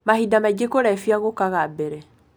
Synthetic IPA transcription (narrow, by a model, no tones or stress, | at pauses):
mahidamaiɡekoɾɛfiaɣokaɣabɛɾɛ